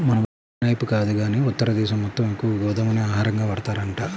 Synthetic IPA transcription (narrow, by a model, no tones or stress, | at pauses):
mɐnɐʋɐ | nɐjpukaːd̪uɡaːniːut̪ːɐɾɐd̪ɛːʃɐmːɔt̪ːɐmekːuʋɐʋiɡɔʋɐd̪ɐmɐneaːɦaːɾɐŋɡaːʋɐɽɐt̪aːɾɐɳʈaː